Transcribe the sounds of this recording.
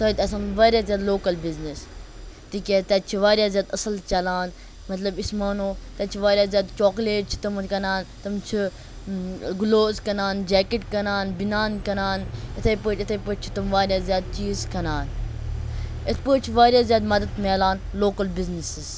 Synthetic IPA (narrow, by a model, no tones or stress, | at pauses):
t̪ɐd̪ɐsanʋaːɾʲjaːzjaːd̪loːkɐlbiznis | t̪ikʲeːt̪ɐt͡ʃʰiʋaːɾjaːzjaːd̪ɐsɐlt͡ʃɐlaːn | mɐt̪lɐbismaːnoːt̪ɐt͡ʃʰiʋaːɾʲjaːzjaːd̪t͡ʃɔːkleːʈ̚t͡ʃʰi̥t̪ɐmkɐnaːnt̪ɐmt͡ʃʰi | ɡuloːzkɐnaːnd͡ʒɛːkeʈkɐnaːnbinaːnkɐnaːnɐt̪ʰɐpəɐt̪ʰɐpəːt͡ʃʰi̥t̪ɐmʋaːɾʲjaːzjaːd̪̚t͡ʃiːzkɐnaːn | ɐt̪ʰpəːt͡ʃʰiʋaːɾʲjaːzʲjaːd̪mɐd̪ɐd̪melaːn | loːkɐlbiznisiz